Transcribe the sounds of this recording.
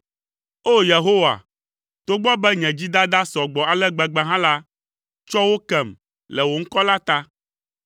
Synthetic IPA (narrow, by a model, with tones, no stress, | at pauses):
o˦je˨ɦo˦wa̰˨ | t̪o˦ɡ͡bɔ˦bɛ˦ɲɛ̃˨d͡ʑi˦d̪a˦d̪a˦sɔ˨ɡ͡bɔ˨a˨lɛ˦ɡ͡bɛ˨ɡ͡bɛ˦ɦã˦la˦ | t͡ʃɔ˦wo˦kɛ˨m | lɛ˨wo˨ŋ̩˦kɔ˦la˦t̪a˦